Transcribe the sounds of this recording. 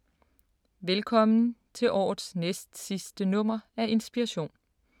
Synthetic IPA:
ʋelkʰɒ̽mn̩t͡sʰe̝lʔɒ̰ːð̩ˠsnesd̥sisd̥ənɔ̽m̰ɐæɐʔe̝nsb̥iʁɑɕo̝̰ːn

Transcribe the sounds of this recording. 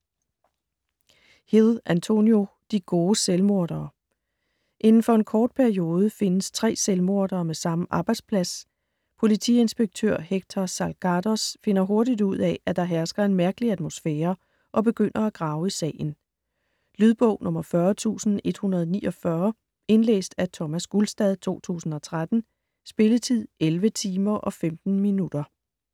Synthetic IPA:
hiðˠʔænt͡sʰo̝njo̝ | d̥iɡ̥o̝ːselmo̝ɐɾ̥ɐː | ʔe̝nn̩fɒ̽e̝nkʰɒːd̥̚pʰæɐio̝ːð̞ˠəfe̝nəst͡sʰʁɛ̰ːselmo̝ɐd̥ɐːmesɑ̈məʔɑ̈ːb̥ɑ̈ɪd̥spʰlæs | pʰo̝lit͡sʰḭe̝nsb̥eɡ̥̚t͡sʰø̰ɐ̰heɡ̥̚t͡sʰɑ̈sælɡ̥ʰɑdɒsfe̝nɐɦo̝ɐdid̥uð̞̰ˠɛæd̥ɑ̈ɦæɐsɡ̥ɐe̝nmæɐɡ̥əliæd̥mo̝sfeːɐ | ʔɒ̽be̝ɡ̥øn̰ɐæɡ̥ʁɑ̈ːʊisɛ̰ːn̩ | lyð̞ˠb̥ɔ̰ʊ̰nʔɔ̽mɐfɶɐt͡sʰṵːsn̩e̝d̥hunɐð̞̩ˠniːʔɒ̽fɶɐ | e̝nlḛːsd̥æt͡sʰɒ̽mæsɡ̥ulsd̥ɛð̞ˠt͡sʰo̝̰ːt͡sʰṵːsn̩ɒ̽t͡sʰʁad̥n̩ | sb̥e̝lət͡sʰið̰ˠelʋət͡sʰiːmɐʔɒ̽femd̥n̩minud̥ɐ

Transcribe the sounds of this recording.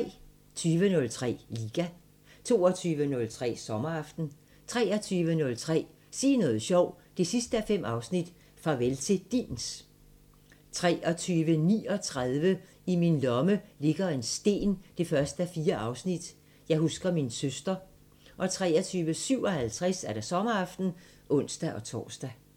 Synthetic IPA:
t͡sʰyːʋənɔ̽lt͡sʰʁɛ̰ːliːɡ̥æ | t͡sʰo̝ːɒt͡sʰyːʋənɔ̽lt͡sʰʁɛ̰ːsɒ̽mɐɑ̈fd̥n̩ | t͡sʰʁɛːɒt͡sʰyːʋənɔ̽lt͡sʰʁɛ̰ː | siːnɔ̽ːð̩ˠɕɒʊ̰ | d̥e̝sisd̥əæfem̰ɑ̈ʊsnid̥ | fʁɑ̈ʋelt͡sʰe̝d̥ḭːns | t͡sʰʁɛːʔɒ̽t͡sʰyːʋənḭːɒ̽t͡sʰʁaðˠʋə | iminlɒ̽məle̝ɡ̥ɐe̝nsd̥e̝̰ːnd̥e̝fɶɐsd̥əæfiːɐʔɑ̈ʊsnid̥ | jɑ̈ɪɦusɡ̥ɐminsøsd̥ɐ | ʔɒ̽t͡sʰʁɛ̰ːɒt͡sʰyːʋəsyʊ̰ɒ̽hælt͡sʰʁaɛsæɐɾ̥ɑ̈sɒ̽mɐɑ̈fd̥n̩ | ʔɔ̽n̰sd̥æʔɒ̽t͡sʰɒ̰ːsd̥æ

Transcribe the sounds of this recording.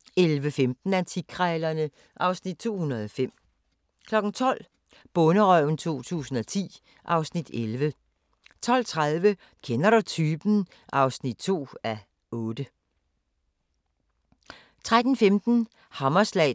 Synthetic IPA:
elʋəfemd̥n̩ænt͡sʰiɡ̥ʰʁɛːlɐnə | ʔɑ̈ʊsnid̥̚t͡sʰo̝̰ːhunɐð̞ˠɒfem̰ | kʰlɒ̽ɡ̥n̩t͡sʰɒ̽l̰ | b̥ɔ̽nəʁœʊn̩t͡sʰo̝̰ːt͡sʰṵːsn̩ɒ̽t͡sʰḭː | ʔɑ̈ʊsnid̥elʋə | t͡sʰɒ̽l̰t͡sʰʁaðˠʋə | kʰenɐɾɑt͡sʰyːb̥n̩ | ʔɑ̈ʊsnid̥̚t͡sʰo̝̰ːæ | ɔ̽ːd̥ə | t͡sʰʁad̥n̩femd̥n̩ | hɑmɐslɛ̰ɪ

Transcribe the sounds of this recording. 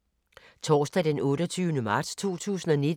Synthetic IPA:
t͡sʰɒːsd̥ɛd̥enɔ̽ːɾɒt͡sʰyːʊnəmɑ̈ːd̥st͡sʰo̝̰ːt͡sʰṵːsn̩ɒ̽nid

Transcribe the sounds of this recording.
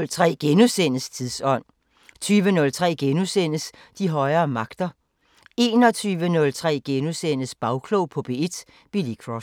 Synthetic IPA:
lt͡sʰʁɛ̰ːɡ̥enusen̰əst͡sʰiðˠsɒ̽n̰ | t͡sʰyːʋənɔ̽lt͡sʰʁɛ̰ːɡ̥enusen̰əs | d̥iɦɒ̽ɪɐːmɑ̈ɡ̥d̥ɐ | e̝ːnɒ̽t͡sʰyːʋənɔ̽lt͡sʰʁɛ̰ːɡ̥enusen̰əsb̥ɑ̈ʊkʰloʊpʰɒ̽b̥e̝e̝d̥ | b̥ilikʰʁɒ

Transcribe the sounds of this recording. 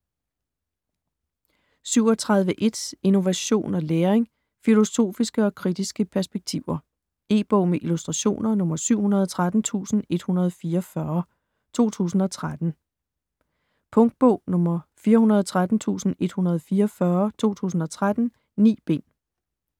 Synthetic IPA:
syʊ̰ɒ̽t͡sʰʁäðˠʋəʔe̝d̥sino̝ʋæɕo̝̰ːnɒ̽leːɐeŋ | filo̝so̝̰ːfisɡ̥əɒ̽kʰʁid̥isɡ̥əpʰæɐsb̥eɡ̥̚t͡sʰiʊ̰ɐ | e̝ːb̥ɔ̰̽ʊ̰meʔilusd̥ʁɑ̈ɕo̝̰ːnɐnɔ̽mɐsyʊ̰hunɐð̞ˠɒt͡sʰʁad̥n̩t͡sʰṵːsn̩e̝d̥hunɐð̞ˠɒfiːɐfɶɐ | t͡sʰo̝̰ːt͡sʰṵːsn̩ɒ̽t͡sʰʁad̥n̩ | pʰɔ̽ŋd̥̚b̥ɔʊ̰nɔ̽mɐfiːɐɦunɐð̞ˠɒ̽t͡sʰʁad̥n̩t͡sʰṵːsn̩e̝d̥hunɐð̞ˠfiːɐɒfɶɐt͡sʰo̝̰ːt͡sʰṵːsn̩ɒ̽t͡sʰʁad̥n̩ | nḭːb̥e̝̰n

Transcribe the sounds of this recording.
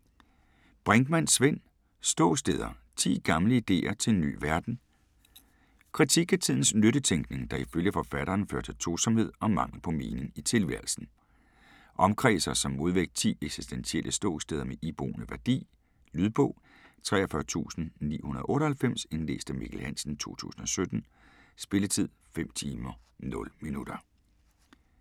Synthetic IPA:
b̥ʁɛŋɡ̥mæn̰sʋen̰ | sd̥ɔ̰̽ʊsd̥eːð̞ˠɐt͡sʰḭːɡ̥ɑ̈mləid̥e̝̰ːɐt͡sʰe̝nːy̰ːʋæɐd̥n̩ | kʰʁit͡sʰiɡ̥æt͡sʰiðˠn̩snøɾ̥ət͡sʰeŋɡ̥ne̝ŋd̥ɑ̈iføljəfɒ̽fæɾ̥ɐːnfø̰ɐt͡sʰe̝lt͡sʰʁuːsɒ̽mhe̝ð̞̰ˠɒ̽mɑ̈ŋ̰l̩pʰɒ̽me̝ːne̝ŋit͡sʰe̝lʋæ̰ɐ̰l̩sn̩ | ʔɒ̽mkʰʁɛ̰ːsɐsɒ̽mːo̝ð̞ˠʋeɡ̥̚d̥̚t͡sʰḭːeɡ̥si̥sd̥ensielʔəsd̥ɔ̰̽ːsd̥eðˠɐmeʔib̥ʁo̝̰ːnəʋæɐd̥ḭː | lyð̞ˠb̥ɔ̽ʊ̰ | t͡sʰʁɛːɐfɶːɐt͡sʰṵːsn̩nḭːhunɐð̞ˠʔɔ̽ːɾɐhælfem̰se̝nlḛːsd̥əmḭɡ̥ʰl̩hæn̰sn̩t͡sʰo̝̰ːt͡sʰṵːsn̩ɒ̽sød̥n̩ | sb̥e̝lət͡sʰið̞̰ˠfem̰t͡sʰiːmɐnɔ̽lminud̥ɐ

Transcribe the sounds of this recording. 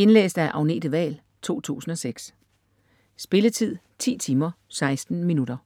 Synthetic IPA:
e̝nlḛːsd̥æʔɑ̈ʊne̝̰ːd̥əʋɛ̰ːl | t͡sʰo̝̰ːt͡sʰṵːsn̩ɒ̽seɡ̥s | sb̥e̝lət͡sʰið̞̰ˠ | t͡sʰḭːt͡sʰiːmɐsɑ̈ɪsd̥n̩minud̥ɐ

